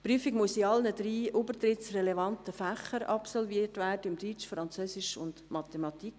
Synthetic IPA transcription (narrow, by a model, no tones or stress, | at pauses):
pɾyəfɪɡmuəsiɑlnədɾiːʔubərtɾɪtsrɛlɛvɑntəfæχəɾɑpsɔlviːətvæːrdəɪmdyt͡ʃfɾɑnt͡søːsɪʃʊ̰nd̥mɑt̪emɑt̪ik